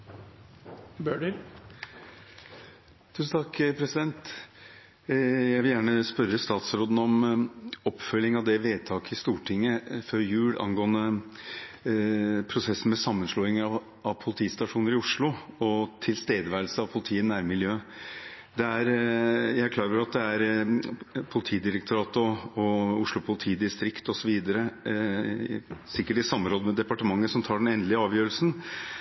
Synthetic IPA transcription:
bøːɖəɾ | d̪ʰʉːsn̩t̪ʰɑkːpʰɾɛsɪd̪ɛnt̪ | jæɪʋɪljæːɳəspœɾːəst̪ɑːt̪sɾoːd̪n̩ɔm | ɔpfœlːɪŋɑʋd̪ɛʋeːd̪̚t̪ʰɑːkəɪst̪uːʈʰɪŋːəføɾjʉːɽʔɑ̰nɡoːənə | pʰɾʊsɛsn̩mɛsɑmːənʂlɔːɪŋɑʋ | ɑʋpʰʊlɪt̪ʰiːst̪ɑʂuːnəɾɪʊʂɭʊɔt̪ʰɪlst̪eːd̪əʋæːɾl̩səɑʋpʰʊlɪt̪ʰiːənæɾmɪljøː | d̪ɛæɾjæɪæɾkʰlɑːɡəəɾɑt̪̚d̪ɛæɾ | pʰʊlɪt̪ʰiːd̪ɪɾək̚t̪ʰʊɾɑːt̪ɔɔʊʂɭʊpʰʊlɪt̪ʰiːd̪ɪst̪ɾɪkt̪ɔsɔʋiːd̪əɾə | sɪkːəʈɪsɑmːnɾoːd̪əmɛd̪ɛpɑʈəmɑŋːəsɔmt̪ʰɑːɖɛnɛnd̪lɪəɑːʋjøːɾəlsn̩

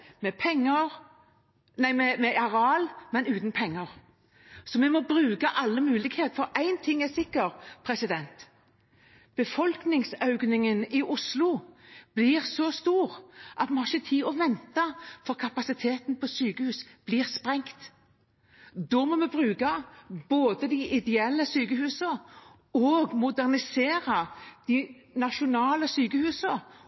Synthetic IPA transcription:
mɛpʰɛŋːəɾ | næɪmɛmɛʔɑɾɑːlmɛnʉːt̪n̩pʰɛŋːəɾ | sɔmɛmɔbɾʉːkɑʔɑlːəmʉːlɪɡheːt̪fɔɾʔæɪnt̪ʰɪŋːɛsɪkːəɾpʰɾɛsɪd̪ɛnt̪ | b̥əfɔlknɪŋsœʉɡnɪŋənɪʔʊslʊb̥liːʁsɔst̪uːɾʔɑt̪mɛhɑʁçət̪ʰiːɔʋɛnt̪ɑfɔʁkʰɑpɑsɪt̪ʰeːt̪npʰɔsyːkəhʉːsb̥liːʁspʁɛŋt̪ | d̪ɔmɔmɛbʁʉːkɑboːd̪əd̪ɪʔɪd̪ɛɛlːəsyːkəhʉːsə | ɔɡmʊd̪æʁnɪseːʁɑd̪̥ɪ | nɑʃʊnɑːləsyːkəhʉːsə

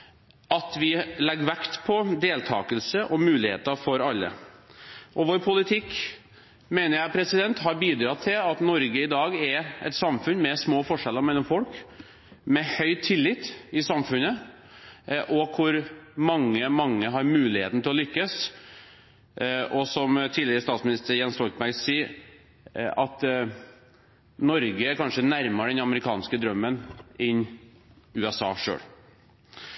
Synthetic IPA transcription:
ʔɑt̪ʋɪlɛɡːʋækt̪pʰɔd̪eːlt̪ʰɑ̰ːkəlsəʔɔmʉːlɪhḛːt̪əfɔɾɑlːə̰ | ʔɔʋoːɾpʰʊlɪt̪ʰɪkː | meːnəɾjæɪpʰɾɛsɪd̪ɛnt̪hɑɾbiːd̪ɾɑt̪ʰːɪlɑt̪nɔɾɡəɪd̪ɑːɡɛɛ̰t̪sɑmfʉnmɛsmoːfɔʂɛləɾmɛlːɔmfɔlk | mɛhœʏt̪ʰɪlːɪt̪ːɪsɑmfʉnə | ʔɔkʰʊɾmɑŋːəmɑŋːəɦɑɾmʉːlɪheːt̪n̩t̪ɪlɔlʏkːəs | ʔɔsɔmt̪ʰiːləɾəst̪ɑːt̪smɪnɪst̪əɾjɛnst̪ɔlt̪mæsiː | ɑt̪ | nɔɾɡəæɾkʰɑnʂənæɾməɖɛnɑməɾɪkʰɑ̰ːnskəd̪ɾœmːənɪn | ʉːɛsɑ̰ːʂø̰ːɽ

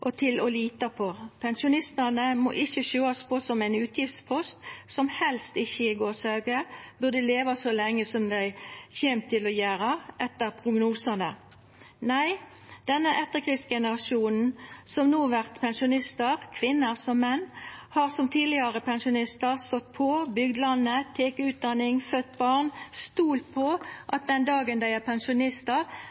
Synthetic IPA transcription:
ʔɔt̪ʰɪlɔliːt̪ɑpʰɔpʰɛnsʊnɪst̪ənəmɔ̰ːʔɪçəʃøːɑspʰɔsɔmæɪnʉːt̪jɪft̪spʰɔst̪sɔmhɛlst̪ɪçːəɪɡoːsɑʉɡəbʉʁd̪əleːʋɑsɔlɛŋːəsɔmd̪æɪçeːmt̪ʰːɪlɔjæːɾəʔɛt̪ːəʁpʰʁʊɡnuːsənə | næɪ | d̪̥ɛnːəʔɛt̪ːəʁkʰʁɪsɡɛnəʁɑʂuːnn̩sɔmnuːʋæʁt̪pʰɛnʃʊnɪst̪əʁkʰʋɪnːəʁsɔmːɛnːhɑʁsɔmt̪ʰiːlɪəʁəpʰɛnʃʊnɪst̪əʁst̪ɔt̪ːpʰɔbʏɡd̪lɑnːət̪ʰeːkəʉːt̪̚d̪ɑnɪŋfœt̪ːbɑʁnst̪uːlt̪̚pʰɔʔɑt̪̚d̪ɛnd̪ɑːɡənd̪æɪæʁpʰɛnsʃʊnɪst̪əʁ

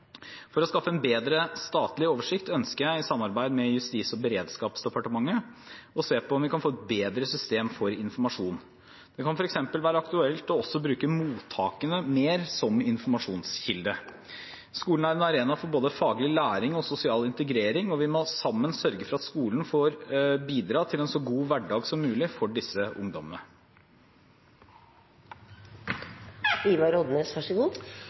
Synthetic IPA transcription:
fɔɾɔskɑfːəɛnbeːd̪ɾəst̪ɑːt̪lɪoːʋəʂɪkt̪œnskəɾjæɪɪsɑmːɑɾbæɪd̪mɛjʉst̪iːsɔbəɾeːd̪skɑːpsd̪ɛpɑʈəmɑŋːəɔseːpʰɔɔmʋɪkɑnfoːɛt̪̚beːd̪ɾəsʏst̪eːmfɔɾɪnfɔɾmɑʂuːn | d̪̥ɛkʰɑnfɔɾɛksɛmpəlʋæːɾəɑkt̪ʉɛlt̪ɔɔsɔbɾʉːkəmuːt̪ʰːɑːkənəmeːɾsɔmɪnfɔɾmɑʂuːnsçɪld̪ə | skuːln̩æɾɛnɑɾeːnɑfɔɾboːd̪əfɑːɡlɪlæːɾɪŋɔsʊsɪɑːlɪnt̪əɡɾeːɾɪŋɔʋɪmɔsɑmːənsœɾɡəfɔɾɑt̪skuːlnfoːɾbiːd̪ɾɑːt̪ʰɪlɛnsɔɡuːʋæɖɑːɡsɔmːʉːlɪfɔɖɪsəʔʊ̰ŋd̪ɔmə̰nə | iːʋɑɾod̪mɛshɑʂɔɡuː

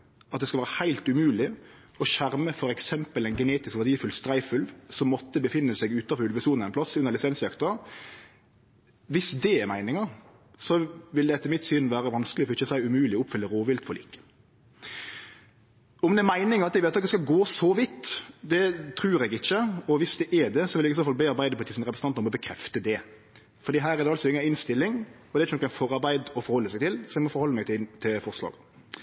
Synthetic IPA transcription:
ɑt̪̚d̪ɛskɑlʋæːɾəhæɪlt̪ʉmʉːlɪ | ɔʃæɾməfɔɾɛksɛmpəlæɪnɡɛneːt̪ɪskʋæd̪iːfʉlst̪ɾæɪfʉlʋsɔmːɔt̪ːəbəfɪnːəsɛɡʉːt̪ɑfʉlʋəsuːnɛɪnpʰlɑsʉnːəɾlɪsɛnsjɑkt̪ʊɑ | ʋɪsd̪ɛɛɾmæɪnɪŋəɾ | sɔʋɪld̪ɛɛt̪ːəmɪt̪syːnʋæːɾəʋɑnsklɪɔfʏçəsæɪʉmʉːlɪɔʊpːfʏlːəɾoːʋɪlt̪fɔlḭːkə̥ | ɔmd̪ɛɾmæɪnɪŋəɾɑt̪ɛɡʋɛt̪ɑk̚d̪ɛskɑɡoːsɔʋɪt̪ːd̪ɛt̪ʰɾʉːɾɛɡɪçːəɔʋɪsd̪ɛʔɛd̪ɛsɔʋɪljɛɡɪsoːfɑl̚beːɑɾbæɪd̪əpʰʊlt̪ʰiːsnɾɛpɾsəɑt̪ɾɔmɔbəkʰɾɛft̪əd̪ɛ | fɔɾd̪iːɦæːɾɛɾdɛɑlsɔɪŋːɑɪnst̪ɪlːɪŋ | ɔd̪ɛɪçənɔkːæɪfɔɾɑɾbæɪd̪ɔfɔɾhɔlːəsæɪɡt̪ɪlsɔɛɡmɔfɔɾhɔlːəmæɡt̪t̪ʰɪlfɔɾʂlɑ̰ːɡ

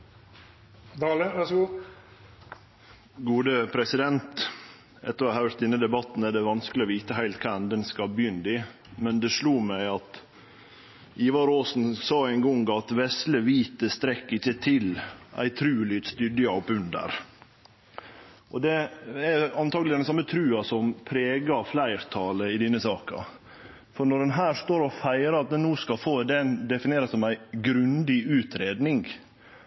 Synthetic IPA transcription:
d̪ɑːləʋæʂɡuː | ɡuːd̪əpʰɾɛsɪd̪ɛnt̪ | ɛ̰t̪ːəɾɑhæɾt̪ɪnːəd̪ɛbɑt̪ːn̩ædɖɛʋɑnskəlɪoːʋiːt̪əɦæɪlt̪̚kʰæd̪ɛnskɑlbjʏnd̪ɪ | mɛnd̪ɛʂluːmæɪɑt̪ | iːʋɑɾoːsn̩sɑːæɪŋɡɔŋɡɑt̪ʋɛsləʋiːt̪əst̪ɾɛkːɪçət̪ʰɪlʔæ̰ɪt̪ʰɾʉːlɪt̪st̪ʏd̪əɑpʉnd̪ə̰ɾ | ʔɔd̪ɛæɑnt̪ʰɑːɡlɪd̪ɛnsɑmːət̪ʰɾʉːɑsɔmpʰɾeːɡɑflæɪɾt̪ʰɑːləɪd̪ɪnːəsɑːkɑ̰ | fɔɾɳɔɖɛnɦæːɾʂt̪oːɾɔfæɪɾəɾɑt̪̚d̪ɛnːuːskɑlfoːd̪ɛnd̪ɛfɪneːɾɑsɔmæɪɡɾʉnd̪ɪʉːt̪ʰɾeːd̪nɪŋ

